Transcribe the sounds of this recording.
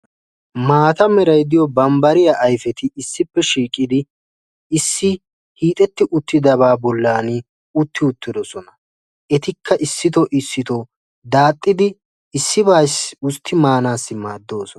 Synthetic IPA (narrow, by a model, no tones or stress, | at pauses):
maːt̪ɐmɛɾɐjd̪ɪjɔbɐmbɐɾɪjɐʔɐjfɛt̪ɪɪsːɪpːɛʃiːkʼɪd̪ɪ | ɪsːɪ | hiːt̪ʼɛt̪ːɪʔʊt̪ːɪd̪ɐβaːbɔlːaːnɪ | ʊt̪ːɪʊt̪ːɪd̪ɔsɔnɐ | ʔɛt̪ɪkʰːɐʔɪsːɪt̪̬ɔʔɪsːɪt̪ɔ | d̪aːt̪ʼːɪd̪ɪ | ɪsːɪbaːsʊst̪ʰːɪmaːnaːsːɪmaːd̪ːo̞ːsɔ